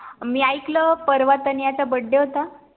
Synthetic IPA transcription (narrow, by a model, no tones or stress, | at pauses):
miːajkləpəɾʋat̪ənjat͡sabəɖːeɦot̪a